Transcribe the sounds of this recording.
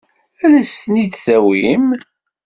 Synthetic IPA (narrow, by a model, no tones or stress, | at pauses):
ælæsniθθæwim